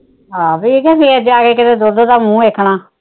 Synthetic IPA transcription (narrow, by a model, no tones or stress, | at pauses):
ɦaːbiːkɛːpiːɛd͡ʒaːɡeːkɪt̪eːd̪ʊɾd̪oːd̪aːmũːeːkʰːɳaː